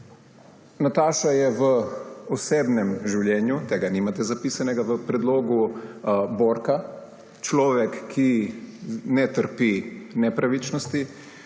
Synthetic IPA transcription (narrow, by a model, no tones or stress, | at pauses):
nat̪aːʃajɛʋəɔseːbnɛmʒiwljɛːnjut̪eːɡanimat̪ɛzapisanɛɡaʋəpɾɛd̪loːɡu | boːɾka | t͡ʃlɔːʋɛkʰːi | nɛt̪əɾpinɛpɾaʋit͡ʃnɔst̪i